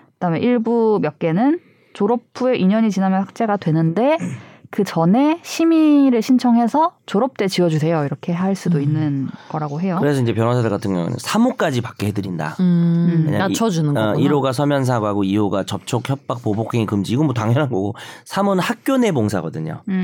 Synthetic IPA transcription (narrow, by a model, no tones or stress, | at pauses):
kɯdameʔiɭbumjʌk͈̚e̞nɯn | t͡ɕoɾʌpʰueʔiɲʌɲit͡ɕinamjʌnɸwak̚t͡ɕ͈e̞ɡadwe̞nɯnde̞kɯt͡ɕʌne̞ɕʰimiɾɯɭɕʰint͡ɕʰʌŋɦe̞sʰʌt͡ɕoɾʌp̚t͈e̞t͡ɕiʌd͡ʑusʰe̞joiɾʌkʰe̞ɦaɭs͈udoinːɯnɡ̥ʌɾaɡoɦe̞jokɯɾe̞sʰʌind͡ʑe̞p̬jʌnwas̬ʰadɯɭɡatʰɯŋmjʌŋɯ̰n̰nsʰamok͈ad͡ʑipak͈̚eɦedɯɾinda̰mḛɲa̰aŋt͡ɕʰʌd͡ʑunɯniɾoɡasʰʌmjʌns̬ʰaɡaɡoijoɡat͡ɕʌp̚t͡ɕʰokçjʌp̚p͈ak̚pobokʰeŋikɯmd͡ʑiːɡomʌtaŋjʌnɦanɡʌɡosʰamonɯnhak̚k͈jone̞moŋsʰa̰ɡʌdɯɲo̰